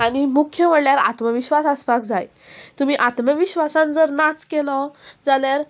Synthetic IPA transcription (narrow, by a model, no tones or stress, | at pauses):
aɽ̃imukʰjəməɽljaɾa̰t̪məʋiɕʋasaspakd͡zaj | t̪um̤iːʔat̪məʋiɕʋasãnd͡zəɾnat͡skelɔd͡zaljaɾ